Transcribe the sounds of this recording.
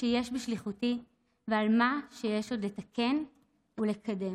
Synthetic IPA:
ʃejeʃbiʃliχuti | vealmaʃejeʃo̞dle̞tɐke̞n | ule̞kʰɐde̞

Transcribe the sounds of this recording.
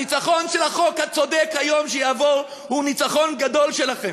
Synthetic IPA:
it͡saχo̞nʃelaχo̞khat͡so̞dekhajo̞mʃejaːvoʁ | hunit͡saχo̞nɡad̪o̞lʃelaχe

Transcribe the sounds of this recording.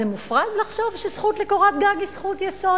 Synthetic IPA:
emufʁazlaχʃo̞vʃesχutlekoʁat̪̚ɡaɡisχutjeso

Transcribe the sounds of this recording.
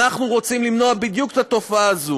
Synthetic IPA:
aχnuʁot͡simlimnoabid̪jukt̪at̪o̞faaːzu

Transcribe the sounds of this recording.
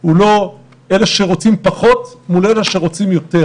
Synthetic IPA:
ulo̞ | eleʃeʁo̞t͡simpaχo̞t̪muleleʃeʁo̞t͡simjo̞t̪e̞

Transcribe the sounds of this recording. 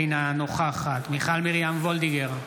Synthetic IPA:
jnanoχaːχat̪miχalmiʁjamvold̪iɡeʁ

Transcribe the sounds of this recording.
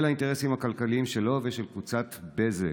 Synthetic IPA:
lhainteʁesimhakalkaliimʃe̞lo̞veʃe̞lkvut͡sat̪beze

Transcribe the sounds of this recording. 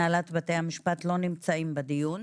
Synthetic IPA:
alat̪bat̪e̞hamiʃpat̪lo̞nimt͡saimbad̪ijun

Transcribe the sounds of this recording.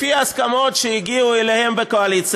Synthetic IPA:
fiaaskamot̪ʃɛiɡiuɛlehɛmbekoalit͡s

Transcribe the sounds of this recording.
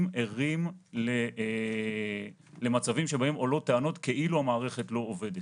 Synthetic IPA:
meʁimle | le̞mat͡savimʃebae̞mo̞lo̞t̪eano̞t̪ke̞ʔiluamaːʁe̞χe̞tlo̞ove̞det

